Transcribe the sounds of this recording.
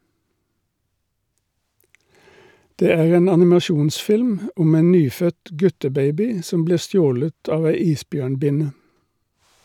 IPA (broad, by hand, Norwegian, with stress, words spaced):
ˈdeː ˈæːʁ ˈeːn ɑnɪmɑˈʃuːnˌsfɪlm ˈʊm ˈeːn ˈnyːˌfœt ˈɡʉtəˌbeɪbɪ ˈsɔm ˈbliːʁ ˈstjoːlət ˈɑːʋ ˈæɪ ˈiːsˌbjøːɳˌbɪnə